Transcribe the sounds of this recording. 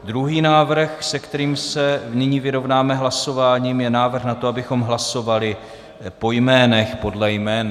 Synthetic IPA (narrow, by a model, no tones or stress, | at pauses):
d̪ɾuɦiːnaːvr̩xsɛkt̪ɛɾiːmsɛnɪɲiːvɪɾo̞vnaːmɛɦlaso̞vaːɲiːmjɛnaːvr̩xnat̪oabɪxo̞mɦlaso̞valɪ | po̞jmɛːnɛxpo̞dlɛjmɛːn